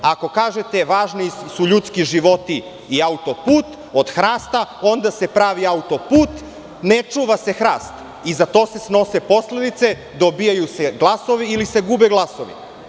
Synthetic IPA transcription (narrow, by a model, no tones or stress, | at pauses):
ako̞kaːʒet̪e̞ʋaːʒnisuʎut̪skiʒiʋo̞t̪iː | aut̪o̞puːt̪ | od̪xɾaːst̪ao̞nd̪ase̞pɾaːʋiaut̪o̞puːt̪ | net͡ʃuːʋase̞xɾaːst̪ | izat̪o̞ːse̞sno̞se̞po̞sled̪it̪se̞ | d̪o̞bijajuseɡlˠaso̞ʋiilise̞ɡuːbeɡlˠaso̞ʋḭ